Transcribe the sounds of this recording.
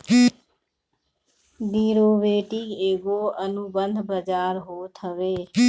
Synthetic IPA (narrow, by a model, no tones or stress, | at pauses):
d̪iɾoʋeːʈikeːɡoənubənd̪ʱbəd͡ʒaːɾɦoːt̪ʰəʋeː